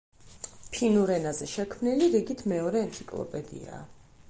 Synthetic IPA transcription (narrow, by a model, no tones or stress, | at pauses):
pʰinuɾɛnazɛʃɛkʰmniliɾiɡit̪ʰmɛɔɾɛːnt̪sʰʼikʼlˠɔ̰pʼɛd̪ḭa̰ː